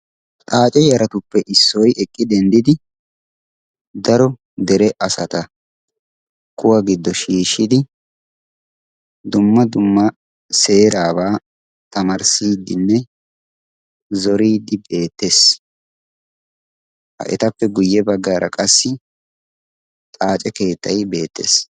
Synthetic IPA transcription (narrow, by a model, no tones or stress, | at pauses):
t̪ʼaːt͡ʃʼɛjɐɾɐt̪ʊpːɛʔɪsːɔjɛkʼːɪd̪ɛnd̪ɪd̪ɪ | d̪ɐɾɔ | d̪ɛɾɛʔɐsɐt̪ɐ | kʊwɐɡɪd̪ːɔʃiːʃɪd̪ɪ | d̪ʊmːɐd̪ʊmːɐ | se̞ːɾaːbaː | t̪ɐmɐɾsiːd̪ɪnːɛ | zɔɾiːd̪ːɪbe̞ːt̪ːes | hɐ̰ʔɛ̰t̪ɐpːɛɡʊjːɛbɐɡːaːɾɐkʼɐsːɪ | t̪ʼaːt͡ʃʼɛke̞ːt̪ːɐjbe̞ːt̪ːḛːs